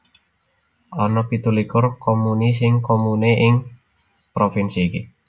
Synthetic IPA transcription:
ʔɔnɔpit̪ulikʊrkomunis̬ɪŋkomuneʔɪŋ | pɾofinsike

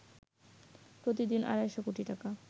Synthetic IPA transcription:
pɾot̪id̪inʔa̰ɾaɛʃokoʈiʈaka

